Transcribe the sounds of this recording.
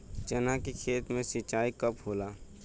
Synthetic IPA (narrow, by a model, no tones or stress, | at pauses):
t͡ʃənakikʰeːt̪mẽsit͡ʃaːikəpɦoːlaː